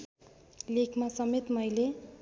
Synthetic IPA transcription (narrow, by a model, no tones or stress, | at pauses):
lekʰmasʌmet̪mʌjle